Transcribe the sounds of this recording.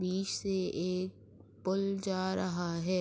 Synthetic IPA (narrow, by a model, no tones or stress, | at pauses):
biːʃseeːk̚ | pʊld͡ʒaːɾɐɦaɦɛː